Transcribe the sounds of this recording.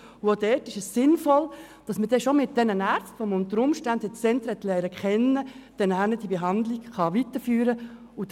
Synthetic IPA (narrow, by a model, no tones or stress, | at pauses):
uodɛːtɪʃəsːɪnfɔl | d̥ɑsməd̥ɛʃomɪt̚d̥ɛnənæɾt͡stfɔmʊnt̪əɾʊmʃtændət͡sɛntɾɛtlɛːɾəkχɛnːəd̥ɛnænəd̥ibeɦɑnd̪liɡχɑʋitəɾfyːɾə | ʊd